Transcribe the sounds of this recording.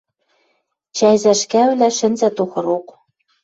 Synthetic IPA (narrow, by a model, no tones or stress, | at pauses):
t͡ɕæjzæʃkæβlæʃɘ̆nzæt̪oxɤ̆ɾok